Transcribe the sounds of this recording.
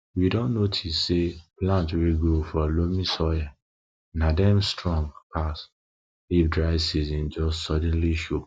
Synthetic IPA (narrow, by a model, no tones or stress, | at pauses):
widɔ̃nːotʰisːeplãntwiɡofɔlomĩsɔja | nadɛ̃mstɹɔ̃ŋɡpʰas | lifdɹaɪsizɔ̃nd͡ʒɔssɔd̃n̩liʃop